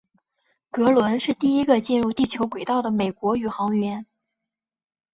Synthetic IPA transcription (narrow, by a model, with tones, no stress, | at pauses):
kɤ˧˥lwə˧˥nʂɻ̩˥˧t̪i˥˩i˥ɡə˧t͡ɕi˥˧nɻu˥˧t̪i˥˩t͡ɕʰjo˧˥ʊkwe˨˩ɪt̪ɑ˥˩ʊd̪ə˩me˨˩ɪkwɔ˧˥y˨˩xɑ˧˥ŋɥɛ˧˥n